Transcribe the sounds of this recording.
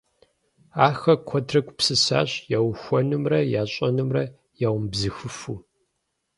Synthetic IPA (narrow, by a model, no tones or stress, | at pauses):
aːxɐkʷʰɔtʰrɐkʷʼpsɨsa̰ːɕjawxʷɔnɨmrɐjaːɕʼɐnɨmrɐ | jaːwʷʊmbzɨxɨfuː